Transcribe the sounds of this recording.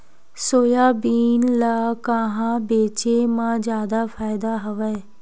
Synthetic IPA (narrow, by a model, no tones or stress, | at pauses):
soːjaːbiːnlaːkaɦãːbeːt͡ʃeːmãːd͡ʒjaːd̪aːpʰaːɪd̪aːɦəʋɛː